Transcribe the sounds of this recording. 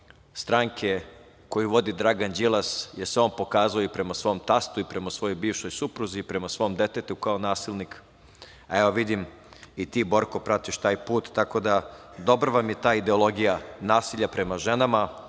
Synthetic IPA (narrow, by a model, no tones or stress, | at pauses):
st̪ɾaŋkʰe̞ | ko̞juʋo̞d̪id̪ɾaɡand͡ʑilˠasje̞so̞ːnpo̞kaːzaoipɾe̞masʋo̞mt̪ast̪uipɾe̞masʋo̞jo̞jbiːʋʃo̞jsupɾuziːpɾe̞masʋo̞md̪e̞t̪et̪uukaonaːsilnik | aeʋoʋid̪im | it̪iːbo̞ɾkopɾat̪iʃt̪aːjpuːt̪ːako̞d̪a | d̪o̞bɾʋamje̞t̪aːid̪e̞olˠo̞ɡijanaːsiʎapɾe̞maʒe̞nama